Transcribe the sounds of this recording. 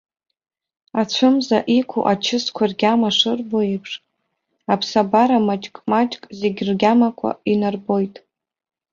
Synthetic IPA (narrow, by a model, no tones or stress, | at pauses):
at͡ɕʷʰʊmzaʔikʷʰṵʔat͡ʃʰɪskʷʰarɡʲamaʂɨrboipʰʂ | apʰsabaɾamat͡ʃʼkʼmat͡ʃʼkʼzeɡʲrɡʲamakʷʰa̰inarbo̞jtʼ